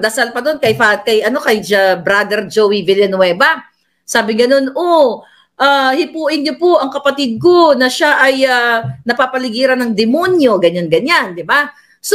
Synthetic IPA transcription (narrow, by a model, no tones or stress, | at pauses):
d̪ɐsalpɐd̪o̞nkɐjpakɐjʔɐno̞kɐjd͡ʒɐbɾad̪ɛɾd͡ʒowivɪljɛnʊwɛːbɐ | saːbɪŋɡɐno̞no | ʔaːhɪpuːʔɪnɲopoʔɐŋkɐpɐt̪id̪̚ko̞nɐʃaʔɐjanɐpaːpɐlɪɡiːɾɐnɐŋd̪ɪmonjo̞ɡɐɲanɡɐɲand̪ɪba | s